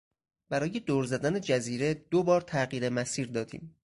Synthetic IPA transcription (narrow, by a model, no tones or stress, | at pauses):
b̥æɾɒːje̞d̪oːɾzæd̪æne̞d͡ʒæziːɾe̞d̪̥obɒːɾt̪ʰæɢiːɾe̞mæsiːɾd̪ɒːd̪ḭːm